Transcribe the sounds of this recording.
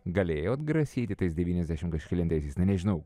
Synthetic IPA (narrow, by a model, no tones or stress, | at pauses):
ɡɐlʲeːjoːɐd̪ɡɾɐsʲiːt̪ʲɪt̪ɐɪsd̪ʲɛʋʲiːnʲɛzd̪ʲæːʃʲɪmkɐʃʲkʲɛlʲɪnt̪ɐɪsʲeɪsnɐɪnʲɛʒʲɪnɐʊ